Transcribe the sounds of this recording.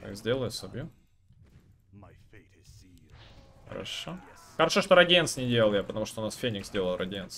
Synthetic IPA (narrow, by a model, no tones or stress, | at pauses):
a̰kzʲdʲelˠəjʊsɐbʲju | xə̰ɾɐ̰ʂoxəɾɐʂoʂt̪oɾɐdʲent̪snʲɪdʲelˠəlˠjapət̪ɐmuʂt̪oʊnasfʲenʲɪkz̥ʲdʲelˠəlˠrʔɐdʲent̪s